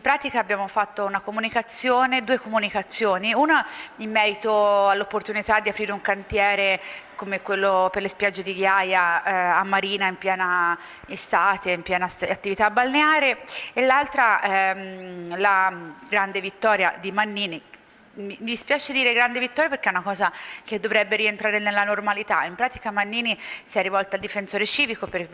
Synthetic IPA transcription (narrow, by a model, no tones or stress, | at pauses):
impɾaːt̪ikaːbːjaːmofat̪ːounakomunikat̪sːjoːned̪uːekomunikat̪sːjoːniunaimːɛːɾit̪oalːopːort̪unit̪ad̪ːiapɾiːɾeuŋkant̪jɛːɾekomekwelːoperlespjad͡ʒːed̪iɡjaːjaːmːaɾiːnaimpjɛːna | est̪aːt̪eimpjɛːnaat̪ːivit̪abːalneaːɾeelːalt̪ɾa | laɡɾand̪evit̪ːɔːɾja̰d̪imanːiːni | mimid̪ispjaːt͡ʃed̪iːɾeɡɾand̪evit̪ːɔɾjapeɾk̟ɛunakɔːzak̟ed̪ːovɾɛbːeɾient̪ɾaːɾenelːanormalit̪aimpɾaːt̪i̥kamanːiːnisiɛrːivɔlt̪aːld̪ifensoːɾet͡ʃiːvikoper